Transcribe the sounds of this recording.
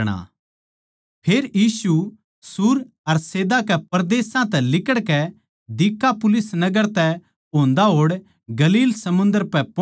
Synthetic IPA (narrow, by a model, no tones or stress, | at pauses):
ɽ̃a̰ | pʰeːɾjiːsu | sʊɾ | ɐɾseːd̪akɛpɐɾd̪eːsãt̪ɛlɪkəɽkɛ | d̪ɪkːapʊlɪsnɐɡəɾt̪ɛ | õːnd̪aɦoːɽ | ɡɐliːlsɐmʊ̃nd̪əɾpɛp